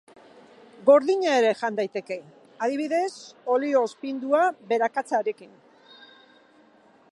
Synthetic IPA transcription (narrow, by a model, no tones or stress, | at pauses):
ɡo̞ɾðiɲaeɾe̞ʝand̪ajt̪e̞ke̞ | að̞iβiðe̞so̞lio̞spind̪uaβe̞ɾakat͡saɾe̞kin